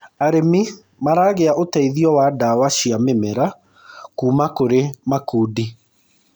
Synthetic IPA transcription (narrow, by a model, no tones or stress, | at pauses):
aɾemi | maɾaːɣeaʔotaiðiɔwadawaʃiamemɛɾa | kuːmakoɾemakuːdi